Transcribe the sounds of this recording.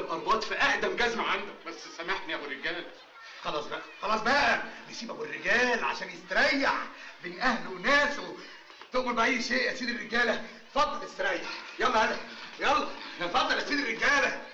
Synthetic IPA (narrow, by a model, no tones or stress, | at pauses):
lʔɑnb̪ˤɑːt̪ˤfæʔaʔd̪æmɡæzmaʕand̪okbæsːsæmaħt̪niʔæwerːeɡæːl | xɑlɑːsˤbæʔæxɑlɑːsˤbæʔænesiːbʔæwerːeɡæːlʕa̰ʃæːnjest̪ɾˤɑjːaħbeːnʔæhlwenæːsw | t̪oʔmoɾbeʔæjːʃeːʔʔæsiːd̪erːeɡæːlæ | fɑd̪ˤːɑlest̪ɾˤɑjːaħjæmːæhæd̪æjɑlˤːɑfɑd̪ˤːɑlʔæsiːd̪erːeɡæːlæ